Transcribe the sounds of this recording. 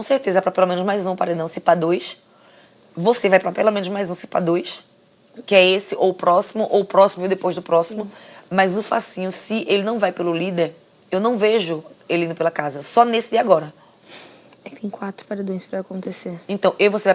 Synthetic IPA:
kõseɾt̪ezɐpɾɐpelomẽnʊzmajzũpaɾed̪ɐ̃w̃sipad̪ojs | vosevajpɾɐpelomẽnʊzmajzũsi̥pa̰d̪ojs | kɪɛesɪʔowpɾɔsimʊʔowpɾɔsimʊewd̪epojzd̪ʊpɾɔsimʊmɐjzʊfa̰sĩʊsɪʔelɪnɐ̃w̃vajpelʊlid̪eɾ | ewnɐ̃w̃veʒʊelĩnʊpelɐkazɐsɔnesɪd̪iɐaɡɔɾɐ | ɛkɪ̥t̪ẽj̃kwat̪ɾʊ̥paɾed̪õj̃spɾɐːkõnt̪eseɾẽnt̪ɐ̃w̃ʔewvosevaj

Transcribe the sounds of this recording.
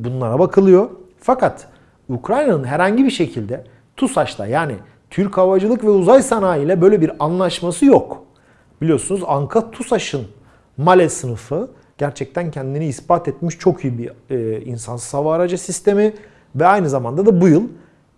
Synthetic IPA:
bunlˠaɾabakʰɯlˠɯjo̞ | fakat̪ | ukɾajnanɯnɦɛɾhaɲɟibiɾʃe̞cʰilʲd̪ɛ | t̪ʰusaʃt̪ʰˠa̰jaːnḭ | t̪ʰyɾkʰavad͡ʒɯlˠɯkvɛuzajsanaːjɯjlʲˠɛbø̞jlʲɛbiɾanlˠaʃmasɯjok | bilʲijo̞ɾsunuzaŋkʰat̪ʰusaʃɯn | malʲɛsɯnɯfɯ | ɟ̥æɾt͡ʃʰɛc̚t̪ʰæncʰɛnd̪iniːspat̪ʰɛt̪miʃt͡ʃʰo̞kʰyjɯbiinsansɯ̥zavaːɾad͡ʒasist̪ʰe̞mi | vɛajnɯzamand̪ad̪abujɯlˠ

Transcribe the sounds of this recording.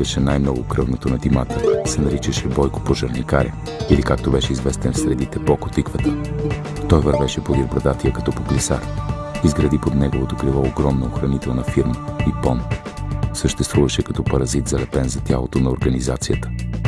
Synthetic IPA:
əʃɛnajmnɔɡʊkɾɤvnot̪onɐd̪ima̰t̪əsɛnɐɾit͡ʃəʃɛbɔjko̥poʒɐɾnika̰ɾʲʔɛ̰ | ilikak̚t̪obɛʃɛizvɛst̪ɛnfsɾɛd̪it̪ɛpokot̪ikvət̪ə | t̪ɔjvɐɾvɛʃɛpod̪iɾbɾɐd̪at̪iəkɐ̥t̪ɔpoklisa̰ɾ | izɡɾɐd̪ipod̪nɛɡovot̪oklilˠɔoɡɾɔmnooxɾɐnit̪ɛlˠnɐfiɾməipɔn | səʃt̪ɛst̪vuvɐʃɛkɐt̪ɔpɐɾɐzit̪zɐlɛpɛnzɐt̪ʲja̰lˠot̪onɐoɾɡəniza̰t̪sijət̪ə̥

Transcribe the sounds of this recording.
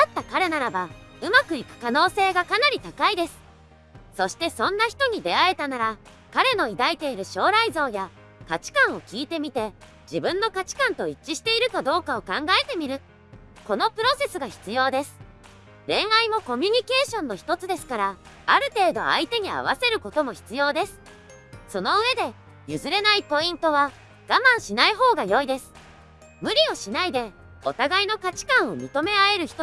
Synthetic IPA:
at̪ːakaɾe̞naɾabaɯ̟makɯ̟ikɯ̟̥kano̞ːse̞ːɡakanaɾʲit̪akaid̪e̞sɨ̥ | so̞ɕi̥t̪e̞sõ̞nːaçi̥t̪o̞ɲ̟id̪e̞ae̞t̪anaɾa | kaɾe̞no̞id̪ait̪e̞iɾɯ̟ɕo̞ːɾaizo̞ːja | kat͡ɕi̥kãɰ̃o̞kʲiːt̪e̞mʲit̪e̞ | d͡ʑibɯ̟̃nːo̞kat͡ɕi̥kãnt̪o̞it͡ɕːiɕi̥t̪e̞iɾɯ̟kad̪o̞ːkao̞kãŋɡae̞t̪e̞mʲiɾɯ̟ | ko̞no̞pɯ̟ɾo̞se̞sɨɡaçi̥t͡sɨjo̞ːd̪e̞sɨ̥ | ɾẽ̞ɰ̃aimo̞ko̞mʲyɲ̟ike̞ːɕõ̞nːo̞çi̥t̪o̞t͡sɨd̪e̞sɨ̥kaɾaaɾɯ̟t̪e̞ːd̪o̞a̰it̪e̞ɲ̟ia̰β̞ase̞ɾɯ̟ko̞t̪o̞mo̞çi̥t͡sɨjo̞ːd̪e̞sɨ̥ | so̞no̞ɯ̟e̞d̪e̞ | jɯ̟zɨɾe̞naipo̞ĩnt̪o̞β̞a | ɡ̥amãɰ̃ɕinaiɦo̞ːɡajo̞id̪e̞sɨ̥ | mɯ̟ɾʲio̞ɕinaid̪e̞ | o̞̰t̪aɡaino̞kat͡ɕi̥kãɰ̃o̞mʲit̪o̞me̞ae̞ɾɯ̟çi̥t̪o

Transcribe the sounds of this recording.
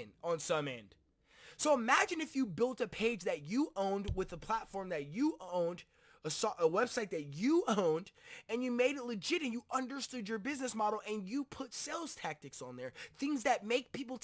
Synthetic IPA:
nə̃nsʌ̃mɛ̰̃nd̥ | soʊəmæd͡ʒɨ̃nɨfjɨbɪlˠtɨpʰeɪd͡ʒðɨt͡ʃɨʔõʊ̃ndwɪðəpʰl̥ætfɔɹmðɨt͡ʃɨʔõʊ̃nd | əsʔəwɛb̥saɪt̪̚ðɨt͡ʃɨõʊ̃ndɨ̃njɨmeɪɾɨtˡlɨd͡ʒɪɾɨ̃njɨʔʌ̃ndə˞stʊd͡ʒə˞bɪznɨsmɑɾl̩ˠɨ̃njɨpʰʊtsɛlˠz̥tʰæk̚tɨksn̩ðə˞θɪ̃ŋzðɨt̚meɪk̚pʰipl̩ˠt

